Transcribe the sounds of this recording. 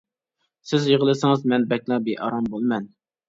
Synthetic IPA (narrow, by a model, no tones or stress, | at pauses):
sɪzjeʁəlˠɨsɪŋɨzmɛnbɛk̚ʲlˠɑbeʔɑɾɑmbolˠmɛn